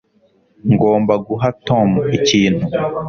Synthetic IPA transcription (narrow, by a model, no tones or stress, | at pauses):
ŋɡo̞ːmbaɡuɦatomiciːn̥hu